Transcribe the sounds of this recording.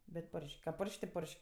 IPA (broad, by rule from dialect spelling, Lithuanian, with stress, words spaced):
bʲɛt ˈpoːrʲʃʲkʲ kɐ ˈpoːrʲʃʲkʲ tʲɪ ˈpoːrʲʃʲkʲ